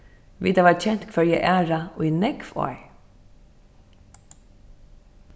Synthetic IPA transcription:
ʋḭt̪ʰaʋaːɹt͡ʃʰɛn̥t̪kʰvɛɹjɛʔæːɹaujnɛkfɔ̰ːɹ

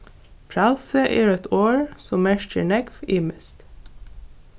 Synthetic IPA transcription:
pʰɾɑlsəʔeːɹɛt̪ʰoːɹsɔmæʃtʰəɳɛɡfɪːməst̪

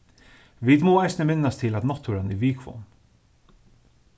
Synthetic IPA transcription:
ʋid̪moːajsnəmɪnːast̪ʰɪlad̪nɔt̪ʰːuɾanɪʋiːkʰvɔ̰n

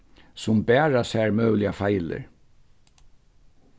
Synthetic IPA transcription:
sʊmbɛːɹasɛɹmœːwlɪafajlɪ̰ɹ

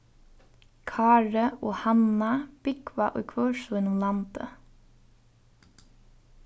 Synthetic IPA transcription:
kʰɑːɹəoːhɑnɑb̥ɪɡʋɑʔɔ̰ʏkʰʋœːʃuːɪnʊmlɑnd̪̥ə̰

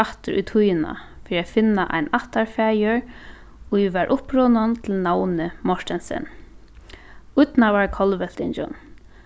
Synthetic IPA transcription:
aht̪ɪɾṵjt̪ʰujɪna̰ | fɪːɾiafɪnːaʔa̰jnaht̪aɹfaːjəɹ | ʊʋaɹʔʊhpɾɔːnant̪ʰɪlnawnɪmɔʂt̪ɛnsɛ̰n | ʊt̪navaɹkʰɔlʋɛl̥t̪ɪnt͡ʃɔ̰n

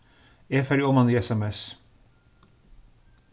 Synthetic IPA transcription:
eːfæɾɔmɑniːɛsɛmɛs

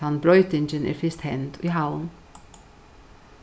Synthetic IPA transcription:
ɑnbɹɔʏt̪ɪnd͡ʒənʔɪ̰ːɾfɪst̪hɛnd̪iːɦaʊn

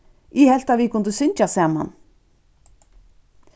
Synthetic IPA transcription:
ihɛl̥t̪avɪkʰʊnt̪ʏsʏnt͡ʃasaːma̰n

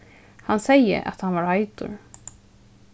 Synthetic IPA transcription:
hansɛjə̰ʔa̰t̪hanʋaːɹhaɪd̪ʊ̰ɹ

